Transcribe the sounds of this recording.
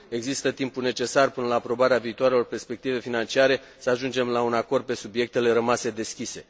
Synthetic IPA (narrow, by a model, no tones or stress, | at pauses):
e̞ɡzist̪ət̪impune̞t͡ʃe̞sarpɨnəlaːpɾo̞baɾeaviːt̪oaɾelo̞rpe̞rspe̞k̚t̪ive̞finant͡ʃiaɾe̞ | səaʒund͡ʒe̞mlaunako̞rd̪̚pe̞subije̞k̚t̪e̞le̞ɾəmase̞d̪e̞skʲise̞